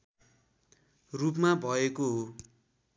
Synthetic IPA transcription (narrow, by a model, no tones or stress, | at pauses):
rupmabʱʌekoɦo